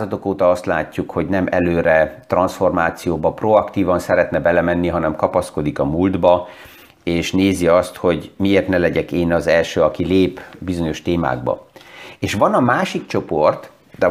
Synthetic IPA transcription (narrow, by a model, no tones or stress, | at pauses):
zɒt̪o̞koːt̪ɒɒst̪la̰ːcːukho̞ɟnɛmʔɛ̰løːɾɛt̪rɒnsfo̞rmaːt̪sijoːbɒproɒkt̪iːvɒnsɛɾɛt̪nɛbɛlɛmɛnːiɦɒnɛmkɒpɒsko̞d̪ikɒmuld̪bɒ | eːʃneːziɒst̪ho̞ɟmieːrt̪nɛlɛɟɛkeːnɒzɛlʃøːɒkileːpbizo̞ɲo̞ʃt̪eːma̰ːɡ̚bɒ̰eːʃʋɒnɒmaːʃikt͡ʃo̞po̞rt̪ | d̪ɛ